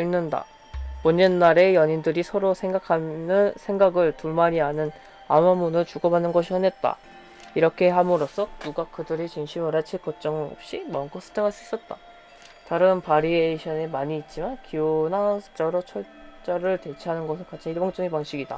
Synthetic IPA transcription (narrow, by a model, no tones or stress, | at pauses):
innɯnda̰ | moɲenːaɾe̞jʌɲindɯɾisʰʌɾosʰe̞ŋɡakʰanɯnsʰe̞ŋɡaɡɯɭtuɭmaɲiɦanɯn | amamunɯɭt͡ɕuɡʌbanːɯnɡʌɕ̬ʰiʌne̞t̚t͈a̰ | iɾʌkʰe̞hamɯɾosʰʌnuɡakɯdɯɾet͡ɕiŋɕʰimʌɾat͡ɕʰek͈ʌt͡ɕ͈ʌŋɯno̰p̚ɕ͈imʌŋk͈osʰɯ̥tʰeŋaɭs͈uis͈ʌt̚t͈a | taɾɯnpaɾieɕʰʌnemaɲiːt̚t͡ɕ͈imankionat͡ɕ͈ʌɾot͡ɕʰʌɭt͡ɕ͈ʌɾɯɭte̞t͡ɕʰiɦanɯnɡʌsʰɯkat͡ɕʰiniɭbʌŋt͡ɕ͈ʌŋepaŋɕ͈ʰiɡida̰